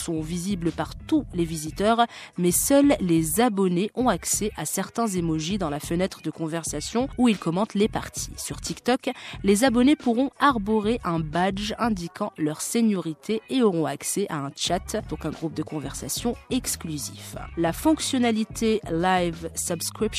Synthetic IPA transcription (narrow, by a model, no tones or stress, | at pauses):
sɔ̃vizibləpaʁt̪ulevizit̪œʁmɛsœlːezabɔneʔɔ̃aksɛʔasɛʁt̪ɛ̃zemɔʒid̪ɑ̃lafənɛt̪χəd̪əkɔ̃vɛʁsasjɔ̃uilkɔmɑ̃t̪lepaʁt̪ʰi̥syʁt̪ʰikt̪ɔklezabɔnepuʁɔ̃aʁbɔʁeʔɛ̃bad͡ʒɛ̃d̪ikʰɑ̃lœʁseɲɔʁit̪ʰeeɔʁɔ̃aksɛʔaɛ̃t͡ʃat̪d̪ɔ̃kɛ̃ɡʁup̚d̪əkɔ̃vɛʁsa̰sjɔ̃ɛksklyziflafɔ̃ksjɔnalit̪ʰelajvsəbskχip